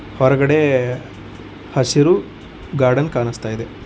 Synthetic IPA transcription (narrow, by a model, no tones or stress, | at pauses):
hɔɾɐɡɐɽe | hɐsiɾu | ɡaːɾɖɐnkaːnist̪aːjid̪e